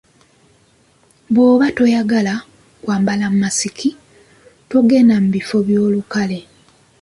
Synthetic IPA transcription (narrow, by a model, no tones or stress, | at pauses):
βwo̞ːβato̞jaɡala | kwaːmbalamumasikʰi | to̞ɡenamuβifo̞βjo̞ːlukale̞